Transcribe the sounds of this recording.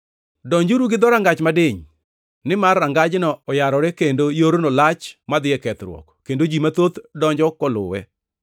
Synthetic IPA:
dɔɲd͡ʒuɾuɡɪd̪ɔɾaŋɡat͡ʃmadeɲ | nɪmarːaŋɡad͡ʒnɔːjaɾɔɾekendojoɾonolat͡ʃmad̪ɪɛkɛt̪ɾwɔ̰kkendod͡ʒimat̪ot̪dɔɲd͡ʒɔkɔlʊ̰wɛ̰

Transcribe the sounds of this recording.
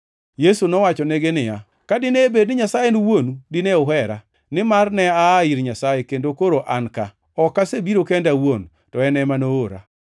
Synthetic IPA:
jesunɔwat͡ʃɔneɡenɪja | kadɪneːbednɪɲasajeniwonudɪnɛʊɦɛɾa | nɪmarnɛaiɾɲasajekendokoɾoʔanka | ɔkːasebiɾokendawon | tɔɛnɛmanooɾa̰

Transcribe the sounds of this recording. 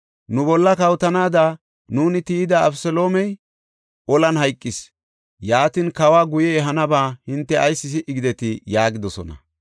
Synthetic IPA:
nʊbɔlːɐkɐwt̪ɐnaːd̪a | nuːnɪt̪iːd̪ɐɐbsɛlo̞ːmɛj | ʔɔlɐnhɐjkʼːɪs | jaːt̪inkɐwaːɡʊjɛːɦɐnɐbaːhɪnt̪ːɛɐjsːɪs̬ɪʔɪɡɪd̪ɛt̪ɪjaːɡɪd̪ɔsɔ̰nɐ̰

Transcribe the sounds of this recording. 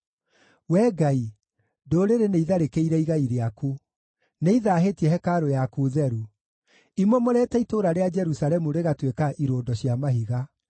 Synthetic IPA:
wɛːɡai | doɾeɾeneiðaɾekeiɾɛiɣaiɾeaku | neiðaːɦetiɛhɛkaɾojakuðɛɾu | imwomoɾɛtɛitoɾaɾead͡ʒɛɾusalɛmuɾeɣatwekaʔiɾoːndɔɕjamaɦiɣa

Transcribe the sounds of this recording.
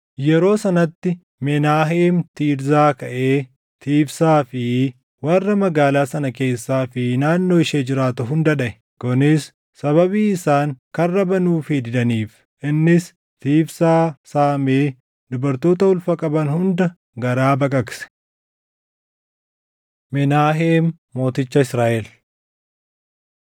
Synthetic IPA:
jɛɾo̞ːsɐnɐt̪ːɪ | mɛnaːɦeːmt̪iːɾzaːkɐʔe̞ː | t̪iːfsaːfɪ | wɐrːɐmɐɡaːlaːsɐnɐke̞ːsːaːfɪnaːnːo̞ːɪʃeːd͡ʒɪɾaːt̪ʊɦʊnd̪ɐᶑɐʔɛ | kɔnɪsː | ɐβɐbiːɪsaːŋkɐrːɐbɐnuːfɪd̪ɪd̪ɐniːf | ʔɪnːɪs | t̪iːfsaːsaːmeː | d̪ʊbɐɾt̪oːt̪ɐʊlfɐkʼɐbɐnhʊnd̪ɐ | ɡɐɾaːbɐkʼɐksɛ̥ | mɛnaːɦeːmː | o̞ːt̪ɪt͡ʃːɐɪsɾaːʔɛl

